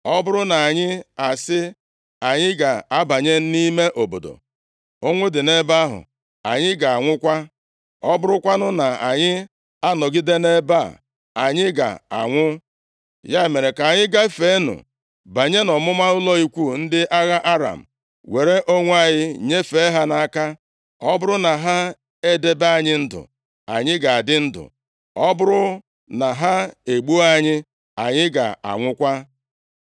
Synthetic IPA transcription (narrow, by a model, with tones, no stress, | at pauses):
ɔ˦bʊ˦ɾʊ˦na˨a˨ɲɪ˦a˨sɪ˦ | a˨ɲɪ˦ɡa˨a˦ba˨ɲe˦n̩˦ni˦me˦ʔo˨bo̰˨do̰˨ | o˦ŋʷʊ˦dɪ˨ne˦ba˦ɦʊ̰˨ | a̰˨ɲɪ˦ɡa˨a˨ŋʷʊ˦kʷa˦ | ɔ˦bʊ˦ɾʊ˦kʷa˦nʊ˦na˨a˨ɲɪ˦ | a˦nɔ˨ɡɪ˦de˦ne˦ba̰˦˨ | a˨ɲɪ˦ɡa̰˨a̰˨ŋʷʊ˦ | ja˦e˨me˨ɾe˨ka˨ɲɪ˦ɡa˦e˦fe˨˦nʊ̰˨ | ba˨ɲe˦nɔ˨mʊ˦ma˦ʊ˦lɔ˦i˦kʷu˦˨n̩˦dɪ˦ʔa˦ɣa˦ʔa˦ɾa̰˨m̩˨ | we˨ɾe˦ʔo˦ŋʷ˦a˦ɲɪ˦ɲe˦fe˦ɦa˦na˨a˦˨ka˦ | ɔ˦bʊ˦ɾʊ˦na˨ɦa˦ | e˦de˦ba˦a˦˨ɲɪ˦n̩˦dʊ̰˨ | a̰˨ɲɪ˦ɡa˨a˨dɪ˦n̩˦dʊ̰˨ | ɔ˦bʊ˦ɾʊ˦ | na˨ɦa˦e˨ɡ͡bu˦a˦ɲɪ˦ | a˨ɲɪ˦ɡa̰˨a̰˨ŋʷʊ˦kʷa˦